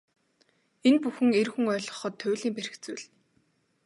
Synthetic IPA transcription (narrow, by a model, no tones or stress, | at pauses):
enpuxɘ̆ŋerxŭŋœːɮʁɞ̆χɞ̆t̪ʰːʊːɮiːmper̆xt͡sʊjɮ